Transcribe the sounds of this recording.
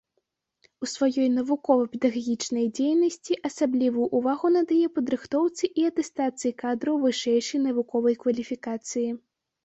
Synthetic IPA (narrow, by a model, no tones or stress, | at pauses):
usvajɔjnɐvukɔvɐpʲɛd̪ɐɣaɣʲit͡ʂnɐjd͡zʲejnɐsʲt͡sʲiʔɐsablʲivujuʔːvaɣunɐd̪ajɛpɐd̪ɾɨxt̪ɔwt̪sɨʔiɐt̪ɛst̪at̪sɨjikad̪ɾɐwvɨʂɛjʂɐjnɐvukɔvɐjkvɐlʲifʲikat̪sɨji